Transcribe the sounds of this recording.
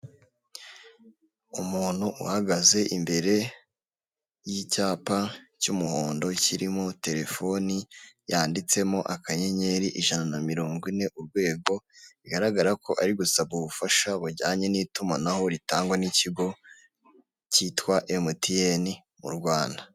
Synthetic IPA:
umuːn̥huʔuhaɡaze̞ʔimbe̞ɾe̞ | jicaːpacumuhoːndo̞ciɾimo̞te̞ɾe̞fo̞nijaːndit͡se̞mo̞ʔakaɲe̞ɲe̞ɾiʔiʒananamiɾoːŋɡwine̞ʔuɾɡwe̞ːɡo̞iɡaɾaɡaɾako̞ʔaɾiɡusabɡuβufaʃaβuɾɟaːɲe̞niːtumanaho̞ɾitaːŋɡwaniciɡo̞ | citwaʔemutijeni | mṵɾɡwaːnda

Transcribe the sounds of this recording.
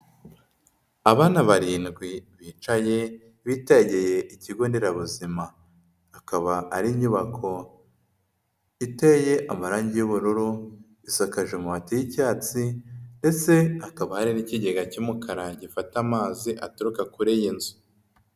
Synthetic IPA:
aβaːnaβaɾiːnɡwiβiːt͡ʃaje̞ | βitaɟeje̞ʔiciɡoːndeɾaβuzimaː | kaβaaɾimɲuβakʰo̞ | iteje̞ʔamaɾaːɲɟijuβuɾuɾu | isakaʒe̞muβatijicaːt͡sinde̞t͡se̞akaβahaɾiniciɟe̞ɡacumukʰaɾaɟifatamaːziʔatuɾukakuɾejinzu̥

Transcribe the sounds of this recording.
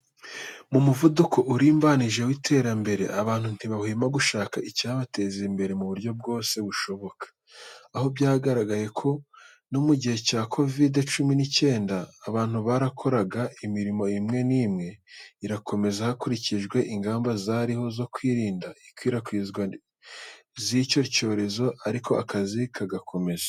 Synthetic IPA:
mumuvuduko̞ʔuɾiːmbaniʒe̞witʰe̞ːɾambe̞ɾe̞̰ʔaβaːn̥hun̥iβahiːmaɡuʃaːkaʔicaβate̞ːzimbe̞ɾe̞muβuɾɟo̞b̚ɡo̞ːse̞βuʃo̞βo̞kḁː | ho̞bɟaːɡaɾaɡaje̞kʰo̞ | nomuɟihe̞caːkʰo̞videt͡ʃuminice̞ːndaːβaːn̥huβaɾakʰo̞ɾaɡaimiɾimo̞imŋe̞niːmŋe̞iɾakʰo̞me̞zahakuɾiciʒɡwe̞ʔiŋɡaːmbazaɾiho̞zo̞kwiːɾiːndaikwiːɾakwiːzɡwa | zico̞co̞ːɾe̞zo̞ʔaɾikʰo̞ʔakazikʰaɡakʰo̞me̞zḁ

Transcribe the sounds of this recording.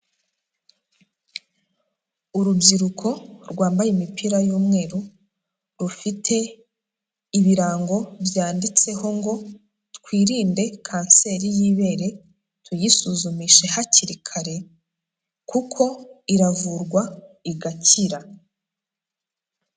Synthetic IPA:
uɾubɟiɾukʰo̞ɾɡwaːmbajemipiɾajuːmŋe̞ːɾu | ɾufitʰe̞ | iβiɾaːŋɡo̞bjaːndit͡se̞ho̞ŋɡo̞ | tkwiːɾiːnde̞kʰaːnse̞ːɾijiːβe̞ːɾe̞ | tʰujisuzumiʃe̞haciɾikʰaɾe̞ | kukʰo̞iɾavuɾɡwaiɡaciɾa

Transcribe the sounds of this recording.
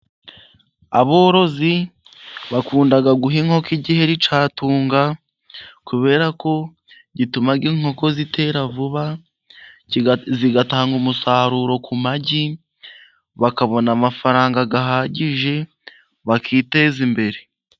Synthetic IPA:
a̰βoːɾo̞zi | βakuːndaɡaɡuɦiŋ̥ho̞kiɟihe̞ɾit͡ʃaːtuːŋɡa | kuβe̞ːɾako̞ | ɟitumaɡiŋ̥ho̞ko̞zitʰe̞ɾavuβa | ziɡataːŋɡumusaːɾuɾo̞kʰumaɟi | βakaβo̞namafaɾaːŋɡaɡaɦaːɟiʒe̞ | βakʰiːte̞zimbe̞ɾe̞

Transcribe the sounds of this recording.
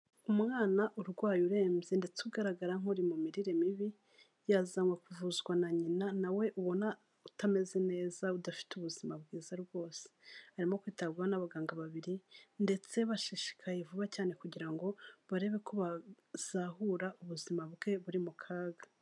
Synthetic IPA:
umŋaːnaʔuɾɡwaːjuɾe̞ːmze̞nde̞t͡suɡaɾaɡaɾaŋ̥oɾimumiɾiɾe̞miβi | jazamwekuvuzɡwanaɲinanawe̞ʔuβo̞na | utame̞ze̞ne̞ːzaudafi̥tuβuzimabɡiːzaɾɡwo̞ːse̥haɾimo̞kwiːtaβɡuwanaβaɡaːŋɡaβaβiɾinde̞t͡se̞βaʃiʃi̥kʰajevuβacaːne̞kuɟiɾaŋɡo̞βaɾe̞βe̞kuβa | z̥ahuɾaʔuβuzimabɡe̞βuɾimukʰaːɡa

